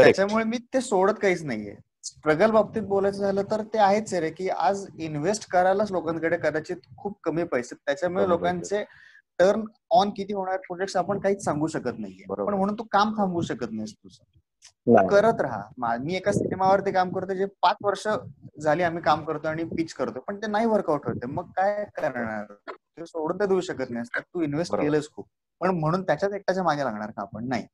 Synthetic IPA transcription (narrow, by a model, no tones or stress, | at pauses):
t̪at͡ɕamuɭemiːt̪esoɽət̪kaɦiːt͡snaɦḭjḛ | sʈɾəɡəlbab̚t̪iːt̪̚bolajt͡səd͡zʱaləːt̪əɾt̪eaɦet͡seɾekiːa̰d͡zinʋesʈkəɾalət͡slokãnkəɽekəd̪at͡ɕiːt̪kʰuːb̚kəmiːpəjset̪ːjat͡ɕamuɭelokant͡se | ʈəɾn | ɔnkit̪iːɦoɳ̃aɾpɾod͡ʑekʈsapəɳkaɦiːt͡ssãŋɡuːɕəkət̪na̰ɦijḛbəpəɳm̤əɽ̃uːnt̪ukamkʰãmɡuːɕəkət̪nast̪usə | nəkəɾət̪ɾaɦa̰mamiːekasiʈemaʋəɾt̪ekamkəɾt̪ed͡ʑepat͡sʋəɾʂəd͡zʱaliːam̤iːkamkəɾt̪oaɽ̃ipit͡ɕkəɾt̪opəɳt̪enaɦiːʋəɾkawʈɦot̪eməɡ̚kajkəɾɳa̰ɾt̪esoɽ̤uːnt̪ed̪euːɕəkət̪̚najəst̪at̪uːinʋesʈkelət͡skʰuːp̚ | pəɳm̤əɽ̃uːnt̪jat͡ɕjat͡sek̚t̪at͡samaɡʱelaɡʱɳaɾkaːpəɳnaɦḭ